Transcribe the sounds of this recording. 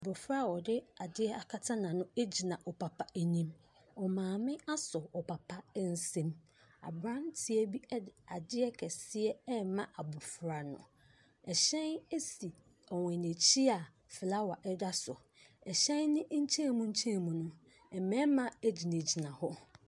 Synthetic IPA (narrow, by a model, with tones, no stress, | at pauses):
a˨bʊ˨fɾa˦˨wɔ˨dɪ˦a˨dɪ˦ɛ˦a˨kʰa˦tʰã˦nã˨nʊ̃˦e˦d͡ʑi˨nã˨ʔɔ˨pʰa˨pʰa˦ʔæ˨nĩ˦m | ɔ˨mãː˨mɪ̃˦a˦sɔ˨ɔ˨pʰa˨pʰa˦n̩˦sẽ˦m | a̰˨bɾã˦n˦tʰɪ˨ɛ˦bi˦a˨dɪ˦ɛ˦kʰɛ˨sɪ˦ɛ˦mã˨ʔa˨bʊ˨fɾa˨nʊ̰̃˨ | ɛ˨ɕɛ̃˦ne˦si˨ | ɔ˨wɛ̃˨ne˨t͡ɕʰi˦a˨ | fɪ˨la˦wa˨ʔɛ˦da˦sʊ˨ | ɛ˨ɕɛ̃˦nːɪ̃˦ɲ̩˦t͡ɕʰɛ̃˦˨mũ˦ɲ̩˦t͡ɕʰɛ̃˦˨mũ˨nʊ̃˦ | ɛ˨mɛ̃˦mã˨e˦d͡ʑi˨nẽ˨d͡ʑi˨nã˨hɔ˦